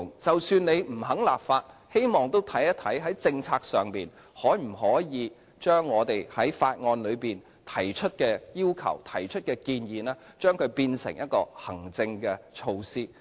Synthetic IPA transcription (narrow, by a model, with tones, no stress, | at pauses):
ŋt͡sɐ˨wsyː˧ne˨˧jm̩˨˩ɦɐ˨˥ŋla̰ː˨p̚faː˧t̚he˥jmɔː˨˩ŋt̪o˥wt̪ʰɐ˨˥jɐ˥t̪ʰɐ˨˥jɦɐ˨˥jt͡sɪ˧ŋt͡sʰaː˧k̚sœː˨ŋpiː˨˩n | hɔː˨˥jm̩˨˩hɔː˨˥jiː˨˧ | t͡ʃœː˥ŋːɔː˨˧t̪e˨jhɐ˨˥jfaː˧t̚ŋɔː˧nlɵ˨˧ɥpiː˨n | t̪ʰɐ˨˩jt͡ʃʰɵ˥t̚kɛː˧jiː˥wkʰɐ̰˨˩wt̪ʰɐ˨˩jt͡ʃʰɵ˥t̚kɛː˧kiː˧njiː˨˦nɛː˥ | t͡ʃœː˥ŋkʰɵ˨˧piː˧nsɪ̰˨˩ŋjɐ˥t̚kɔː˧hɐ˨˩ŋt͡sɪ˧ŋkɛ˧t͡ʃʰo˧wsiː˥